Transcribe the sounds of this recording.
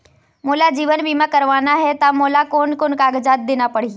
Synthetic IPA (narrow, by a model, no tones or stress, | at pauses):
moːlad͡ʒiːʋənbʱiːmãkəɾʋaːnaɦɛt̪amoːlakoːnkonkaːɡəd͡ʒaːt̪̚d̪eːnapɐɽ̤i